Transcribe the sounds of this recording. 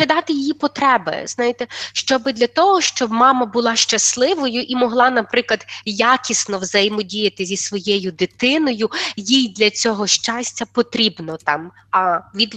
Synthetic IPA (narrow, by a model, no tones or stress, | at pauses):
id̪ɑt̪ɪjɪjipɔt̪ɾɛbɪ̰znɑjɪt̪ɛʃt͡ʃɔbɪd̪lʲɐt̪ɔɦɔʃt͡ʃɔbmɑmɐbʊlˠɑʃt͡ʃɐslˠɪʋɔjʊʔimɔɦlˠɑnɐpɾɪklˠɐd̪jakʲisnɔwzɐjmɔdʲijɐt̪ɪzʲisʋɔjɛjʊd̪ɪt̪ɪnɔjʊjijd̪lʲɐt͡sʲɔɦɔʃt͡ʃɑsʲtʲɐpɔt̪ɾʲibnɔt̪ɑm | ɐʋʲid̪